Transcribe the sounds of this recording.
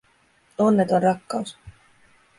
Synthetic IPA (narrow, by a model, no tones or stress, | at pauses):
o̞nːet̪onrɑkːɑus